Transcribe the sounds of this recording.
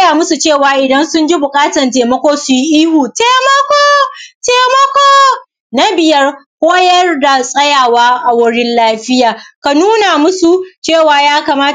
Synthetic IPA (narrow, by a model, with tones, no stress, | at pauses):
jaː˨mʊ˦su˨t͡ʃeː˦˨waː˨ʔɪ˨dɐ˦nsʊ˦nd͡ʒi˦bʊ˨kʼaː˦tɐ˨nteː˨mɐ˦kʷoː˦sʊ˨ji˦ʔiː˦hu˨teː˨mɐ˦kʷoː˦teː˨mɔ˦kʷoː˦ | na˦bɪ˨jɐ˦rkʷʼoː˦jɐ˦rda˨sʼɐ˦jaː˨waː˦ʔa˨wʊ˦ɽɪ˦nlaː˦ɸɪ˦jaː˨ka˨nuː˦na˨mʊ˦su˨t͡ʃeː˦˨waː˨jaː˦kaː˨maː˦